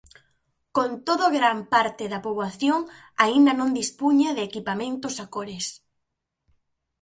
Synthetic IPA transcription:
kont̪oðoɣɾampaɾt̪ɪðɐpoβlaθjoŋ | aind̪ɐnõnd̪ispuɲaðɪekipamẽnt̪ʊsakoɾɪs

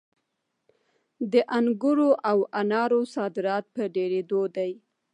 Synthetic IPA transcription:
d̪əʔaŋɡʊɾoʔawanɑɾosɑd̪ɪɾɑt̪̚pəɖeɾed̪od̪aj

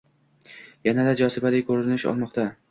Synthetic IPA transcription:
janad̪ad͡ʒɒsɪbalɪkʰɵɾɪɪnɪʃɒ̰lˠmɒqt̪ʰa

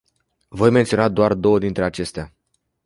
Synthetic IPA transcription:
vo̞jment̪sʲio̞nad̪oard̪o̞wəd̪int̪ɾe̞at͡ʃe̞st̪ea

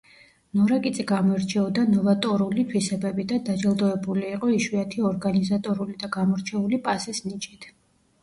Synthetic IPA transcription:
nɔɾakʼit̪sʼiɡamɔɛɾt͡ʃʰɛɔd̪anɔvat̪ʼɔɾulit̪ʰwisɛbɛbid̪ad̪ad͡ʒɛlˠd̪ɔɛbuliːqʼɔiʃwiat̪ʰiɔɾɡanizat̪ʼɔɾulid̪aɡamɔɾt͡ʃʰɛulipʼasisnit͡ʃʼit̪ʰ

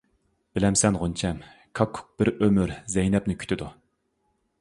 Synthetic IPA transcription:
b̥ɪlɛmsɛnʁont͡ʃʰɛm | kʰɑkʰːʊ̥k̚b̥ɪɾømyɾzɛjnɛpnɪkʲʰy̥t̪ʰɪd̪u

